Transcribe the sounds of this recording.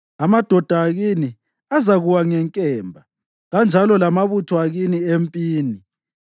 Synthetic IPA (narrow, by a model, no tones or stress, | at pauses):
amad̥ʱɔd̥ʱaːɣini | azaɣuwaŋɛŋkʼɛːmbʱa | ɣand͡ʒʱalɔlamaβutʰɔaɣiniempʼiːni